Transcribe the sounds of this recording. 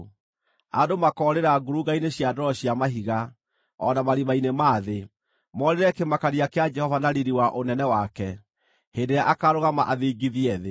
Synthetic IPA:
adomakɔɾeɾaɡuɾuɣaineɕjadɔɾɔɕjamaɦiɣa | ɔnamaɾimainemaːðe | mɔɾeɾɛkemakaɾiakead͡ʒɛhɔvanaɾiɾiwaʔonɛnɛwakɛ | hendeɾjaʔakaɾoɣamaʔaðeɡiðiɛðe

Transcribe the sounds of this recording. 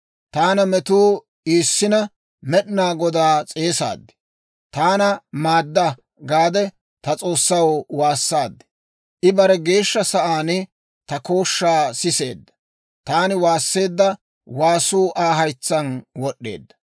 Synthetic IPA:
t̪aːnɐmɛt̪uː | iːsːɪnɐ | mɛɗɪnaːɡɔd̪aːt͡sʼe̞ːsa̰ːd̪ːɪ̥ | t̪aːnɐmaːd̪ːɐ | ɡaːd̪ɛ | t̪ɐt͡sʼo̞ːsːɐwwaːsːaːd̪ːɪ̥ | ʔɪbɐɾɛɡe̞ːʃːɐsɐʔaːnɪ | t̪ɐko̞ːʃːaːsɪse̞̰ːd̪ːɐ̥ | t̪aːnɪwaːsːe̞ːd̪ːɐ | waːsuːʔaːɦɐjt͡sːɐnwɔɗːe̞̰ːd̪ːɐ

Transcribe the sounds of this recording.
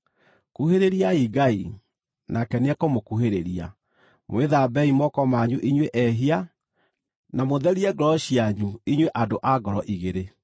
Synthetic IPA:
kuheɾeɾiaiɡai | nakɛnɛkomokuɦeɾeɾia̰ | mweðabɛimɔkɔmaɲuʔiɲweʔɛɦia | namoðɛɾiɛɡɔɾɔɕiaɲuiɲweʔadoʔaɡɔɾɔʔiɣeɾe

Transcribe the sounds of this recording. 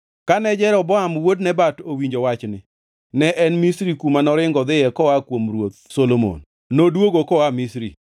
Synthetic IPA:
kanɛd͡ʒɛɾɔbɔamwodnɛbatowiɲd͡ʒowat͡ʃnɪ | nɛʔɛnmisɾikumanɔɾɪŋɡɔd̪ɪjɛkɔakwomɾwot̪̚solomo̰n | nodwoɡokɔamisɾḭ

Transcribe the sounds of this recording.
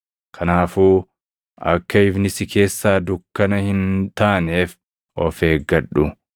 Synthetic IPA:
kʰɐnaːfuː | ɐ̰kːɐɪbnɪsɪkʰe̞ːsːaːd̪ʊkːɐnɐhɪnt̪aːneːf | ɔfeːɡːɐᶑʊ

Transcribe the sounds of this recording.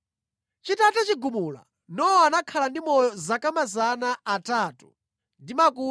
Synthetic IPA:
t͡ʃitatat͡ʃiɡumula̰ | nɔwɔanakʰalandimɔjɔzakamazanaːtaːtu | ndimakuː

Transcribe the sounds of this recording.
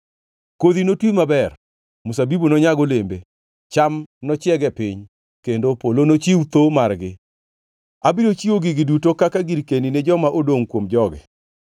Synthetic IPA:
koðinotwimabɛr | mʊsabibunɔɲaɡolembe | t͡ʃamnɔt͡ʃjɛɡɛpɪɲ | kendopolonot͡ʃiut̪omarɡɪ̰ | abiɾot͡ʃioɡɪɡɪdutokakaɡiɾkenined͡ʒɔmaʔodoŋkwomd͡ʒɔɡɛ̰

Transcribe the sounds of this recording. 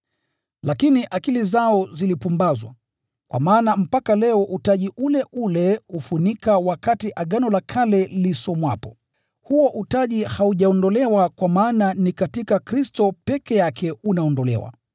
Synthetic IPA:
lakiniʔakilizaɔzilipumbazwa̰ | kwʔa̰maːnam̩pakalɛɔʔutaʄiʔulɛʔulɛufunikawakatiʔaɠanɔlakʰalɛlisɔmwapɔ̥ | huɔʔutaʄihauʄaɔndɔlɛwakwamaːnanikatikakɾistɔpɛkɛjakʰɛunaɔndɔlɛ̰wa̰

